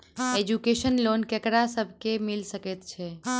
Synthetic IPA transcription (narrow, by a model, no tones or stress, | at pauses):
ed͡ʒukesənlonkekɾasəbʱkemilsəkɛt̪t͡ʃʰɛ